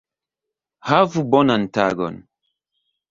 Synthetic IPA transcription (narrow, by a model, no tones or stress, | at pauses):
havubɔnan̩taɡɔ̰n